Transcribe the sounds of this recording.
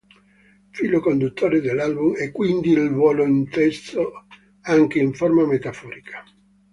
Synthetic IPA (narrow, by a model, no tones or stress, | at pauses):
fiːlokond̪ut̪ːoːɾed̪elːalbumɛkːwind̪ilvwɔːloint̪ɛst̪o | aŋk̟eiɱformamet̪afɔːɾikʰḁ